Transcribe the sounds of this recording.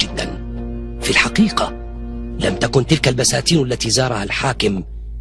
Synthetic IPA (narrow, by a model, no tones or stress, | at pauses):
d͡ʒɪd̪ːa̰n | filħaqiːqɑ | lamt̪akʊnt̪ɪlkalbasaːt̪iːnʔalːat̪iːzɑːɾˤɑhalħaːkɪm